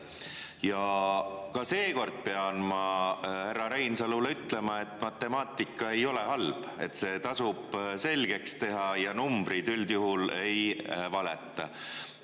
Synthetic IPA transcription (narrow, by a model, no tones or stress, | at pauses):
jɑ | kɑse̞ːko̞rd̪̥̚peɑnmɑherːɑɾejnsɑluleyt̪ˑle̞mɑe̞t̪ːˑmɑt̪ːˑe̞mɑːt̪ˑːikːˑɑe̞jo̞le̞ɦɑlb̥e̞̰t̪ːˑse̞ːt̪ɑsub̥se̞lɡ̥e̞kst̪e̞ɦɑjɑnumb̥ɾid̪yld̪̥juɦule̞jvɑlet̪ˑːɑ